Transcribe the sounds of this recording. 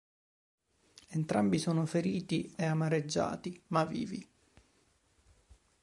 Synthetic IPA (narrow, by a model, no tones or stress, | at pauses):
ent̪ɾambisoːnofeɾiːt̪ieamaɾed͡ʒːa̰ːt̪imavḭːvḭ